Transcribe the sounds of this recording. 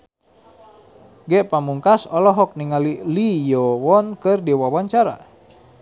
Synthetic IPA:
ɡɛʔpamuŋkasɔlɔɦɔk̚niŋalilijɔwɔnkɨrdiwawaɲt͡ʃaɾa̰

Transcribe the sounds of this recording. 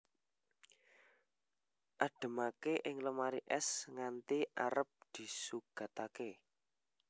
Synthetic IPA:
ʔaɖ̥ə̤makeʔɪŋləmaɾiʔɛsŋant̪iʔaɾəp̚d̪̥i̤suɡ̥a̤t̪ake

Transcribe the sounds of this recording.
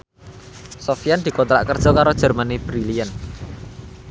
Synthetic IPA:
sofijand̪̥i̤kɔnt̪ɾa̰ʔkərd̥ʒ̥ɔkaɾod̥ʒ̥ə̤rmanib̥ɾiliən

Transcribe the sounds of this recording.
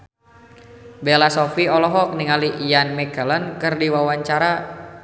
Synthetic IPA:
belasɔfiɔlɔɦɔk̚niŋaliʔijanmɛkələnkɨrdiwawaɲt͡ʃaɾa

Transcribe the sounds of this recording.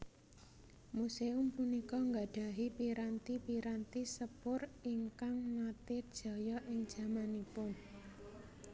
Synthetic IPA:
museʊmpunikɔŋɡadɖ̥a̤ɦipiɾant̪ipiɾant̪isəpʊriŋkaŋmat̪ed̥ʒ̥ɔ̤jɔʔɪŋd̥ʒ̥ä̤manipʊn

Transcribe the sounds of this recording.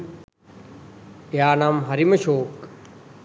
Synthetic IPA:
jaːnaːmɦɐɾiməʃoːk

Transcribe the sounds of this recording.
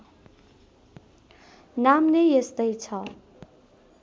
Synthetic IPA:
namnʌjjest̪ʌjt͡sʰʌ

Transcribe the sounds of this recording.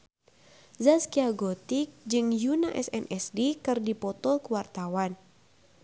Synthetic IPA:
zaskiaɡɔt̪ik̚d͡ʒɨŋjunaʔɛ̰sɛ̰nʔɛsdikɨrdipɔt̪ɔlkuwart̪awan

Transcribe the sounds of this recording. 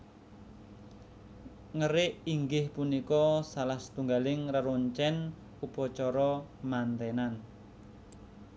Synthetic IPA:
ŋəɾɪʔiŋɡɪhpunikɔsalahsə̥t̪uŋɡalɪŋrəɾoɲt͡ʃɛn | upɔt͡ʃɔɾɔmant̪ɛnan

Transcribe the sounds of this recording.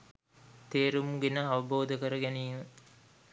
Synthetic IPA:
t̪eːɾumuɡenəaʋəboːd̪əkəɾəɡæniːmə

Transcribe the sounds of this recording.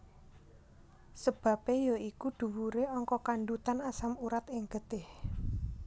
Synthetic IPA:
səb̥ä̤pejɔikud̪̥ṳwuɾeɔŋkɔkaɳɖut̪anasamuɾat̪ɪŋɡ̥əd̪̥ɪh

